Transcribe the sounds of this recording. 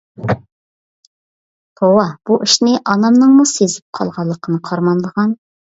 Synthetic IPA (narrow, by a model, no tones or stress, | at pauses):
bʰowɑb̥uʔiʃnɪʔɑnɑmnɨŋmusezɪp̚qʰɑ̰lˠʁɑlˠːəqʰənɨqʰɑɾmɑnlˠəʁɑn